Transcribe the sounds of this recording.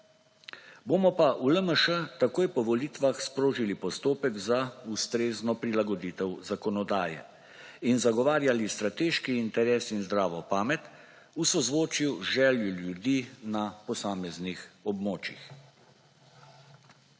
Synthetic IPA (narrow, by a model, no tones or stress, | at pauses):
boːmɔpaʔuləməʃət̪akoːjpɔʋɔliːt̪ʋaxspɾoːʒilipɔst̪oːpɛɡzaust̪ɾeːznɔpɾilaɡɔd̪iːt̪ɛwzakɔnɔd̪aːjɛ̰ | inzaɡɔʋaːɾjalist̪ɾat̪eːʃkiːnt̪ɛɾɛːsinzd̪ɾaːʋɔpaːmɛt̪ | usɔzʋoːt͡ʃiwʒɛːljuljud̪iːnapɔsaːmɛznixɔbmoːt͡ʃix